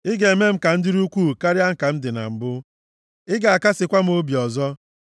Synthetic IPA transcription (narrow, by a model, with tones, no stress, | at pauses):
ɪ˦ɡe˨e˨me˦m̩˦ka˨n̩˦dɪ˦ɾu˦kʷuː˦˨ka˦ɾɪ˦a˦ŋ̩˨ka˨m̩˦dɪ˨na̰˨m̩˨bʊ˦ | ɪ˦ɡa˨a˨ka˦sɪ˨kʷa˦m̩˦o˦bi˨ɔ˨zɔ˦